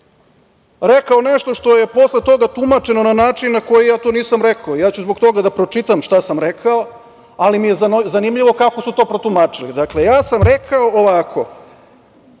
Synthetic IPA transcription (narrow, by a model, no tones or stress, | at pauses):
ɾekaoneʃt̪o̞ʃt̪oje̞po̞slˠe̞t̪o̞ɡat̪umat͡ʃe̞no̞nanaːt͡ʃinːako̞jijaːt̪o̞ːniːsamɾekaoijaːt͡ɕuzbo̞ɡt̪o̞ɡad̪apɾo̞t͡ʃit̪amʃt̪asamɾekʰao | alimije̞zzanimʎiʋo̞kako̞sut̪o̞ːpɾot̪umat͡ʃilid̪akle̞jaːsamɾekʰaoʔoʋakʰo̞̰